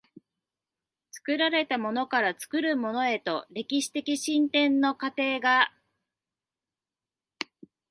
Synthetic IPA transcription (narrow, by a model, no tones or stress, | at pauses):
t͡sɨ̥kɯ̟ɾaɾe̞t̪amo̞no̞kaɾat͡sɨ̥kɯ̟ɾɯ̟mo̞no̞e̞t̪o̞ɾe̞kʲiɕi̥t̪e̞kʲiɕĩnt̪ẽ̞nːo̞kat̪e̞ːɡa